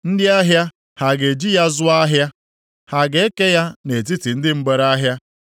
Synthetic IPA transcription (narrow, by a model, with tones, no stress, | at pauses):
n̩˦dɪ˦a˦ɦja˦ | ha˨ɡe˨d͡ʒi˦ja˦zʊ˦a˦ɦja˦ | ha˨ɡe˦e˦ke˦ja˦ne˨t̬i˦ti˨n̩˦dɪ˦m̩˦ɡ͡be˨ɾa˦ɦja˦